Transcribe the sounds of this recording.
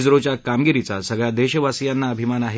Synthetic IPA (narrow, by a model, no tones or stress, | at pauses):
d͡zɾot͡ɕjakamɡiɾit͡sasəɡɭjad̪eɕəʋasijanːaəbʱimanaɦe